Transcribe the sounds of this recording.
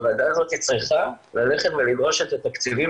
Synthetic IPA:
vaːd̪azo̞t̪it͡sʁiχa | lale̞χet̪velido̞ʃet̪at̪akt͡sivi

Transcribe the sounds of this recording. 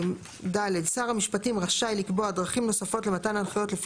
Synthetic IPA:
daledsaʁamiʃpatimʁaʃajlikboadʁaχimno̞safo̞tle̞matananχajo̞tlef

